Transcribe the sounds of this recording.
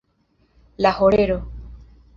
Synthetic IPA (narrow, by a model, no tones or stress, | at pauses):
lahoɾeɾo